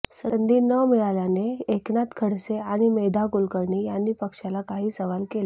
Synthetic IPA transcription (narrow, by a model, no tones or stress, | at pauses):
sənd̪iːnəmijalaneːknat̪kʰəɽseaɽ̃imed̪ʱakulkəɾɳiːjanːiːpəkʂalakaɦiːsəʋalkela